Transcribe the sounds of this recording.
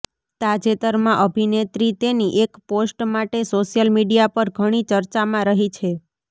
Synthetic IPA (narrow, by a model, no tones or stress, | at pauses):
t̪ad͡ʒet̪əɾmãʔəbʱinet̪ɾit̪eniʔekposʈmaʈesoʃjəlmiɖijapəɾɡʱəɽ̃it͡ʃəɾt͡ʃamãɾəɦit͡ʃʰe